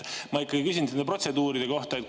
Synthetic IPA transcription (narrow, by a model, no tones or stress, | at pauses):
mɑikːɑɡ̥ikys̬ʲint̪enepro̞t̪se̞d̪uːɾid̪̥e̞ko̞ht̪ɑet̪̚